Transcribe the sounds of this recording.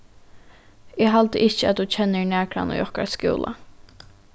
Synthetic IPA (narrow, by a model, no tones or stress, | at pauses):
eːɦalt̪əʔɪt͡ʃəa̰t̪̚d̪ut͡ʃʰɛnːəɹnæːkɾa̰no̰ːjɔhka̰ɹskṵːlʔa̰